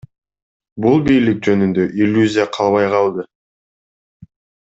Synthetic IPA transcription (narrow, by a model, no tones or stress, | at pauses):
bulˠbijlik̚d͡ʒø̞nynd̪ø̞ʔilʲːuzʲijaqʰɑlˠβɑjqɑlˠd̪ɯ